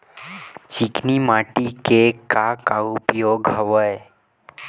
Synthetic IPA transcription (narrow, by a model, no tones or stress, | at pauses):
t͡ʃiknimaʈikekakaupjoɡɦəʋəj